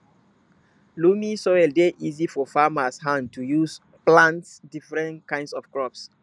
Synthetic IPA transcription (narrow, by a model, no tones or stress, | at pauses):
lumisɔɛldeʔizifɔfamashãntujus | plãntsdifɹɛ̃ntkãɪ̃ndsɔfkɹɔps